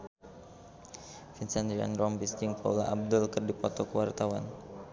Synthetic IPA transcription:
finsand̪ɾia̰nɾɔmbisd͡ʒiŋpa̰ula̰ʔab̚dʊlkərdipɔt̪ɔkəwart̪awan

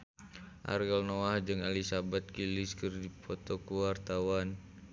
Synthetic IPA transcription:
ʔa̰rɡɛlnoahd͡ʒɨŋalisabat̪̚kiliskərdipʰɔt̪ɔkuwart̪awan

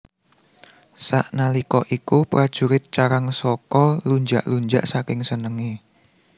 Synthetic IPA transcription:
sa̰ʔnalikɔʔikupɾad̥ʒ̥ṳɾɪt̪̚t͡ʃaɾaŋsɔkɔluɲd͡ʒa̰ʔluɲd͡ʒa̰ʔsakɪŋsənəŋe

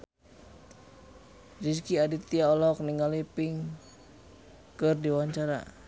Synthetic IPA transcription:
d͡ʒiskiadit̪iaɔlɔk̚niŋalipiŋ | kɨrdiwaɲt͡ʃaɾa̰

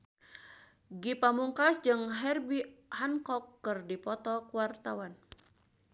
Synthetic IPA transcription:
ɡipamuŋkasd͡ʒɨŋɦɛrbihankɔkːɨrdipɔt̪ɔkuwart̪awan

